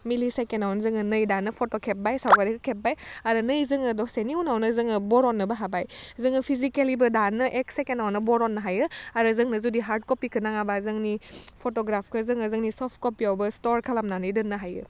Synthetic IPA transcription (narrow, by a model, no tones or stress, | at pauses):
milisakenawnzɯŋɯnɯjdanɯpʰotɔkʰep̚bajsawɡadikʰɯkʰep̚bajaɾɯnɯjzɯŋɯdɔseniunawnɯzɯŋɯbɔɾɔnːɯbaɦabajzɯŋɯpʰizikelibɯdanɯʔeksekenawnɯbɔɾɔnːɯɦajɯaɾɯzɯŋnɯzudiɦaɾd̚kɔpikʰɯnaŋabazɯŋnipʰotɔɡɾapʰkʰɯzɯŋɯzɯŋnisɔp̚ʰkɔpiawbɯstɔɾkʰalamnanɯjdɯnːɯɦajɯ̰